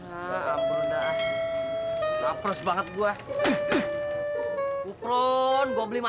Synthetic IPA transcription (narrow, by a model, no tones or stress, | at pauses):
amunda | sapɾəsbaŋət̪̚ɡua | ukɾɔnɡoblima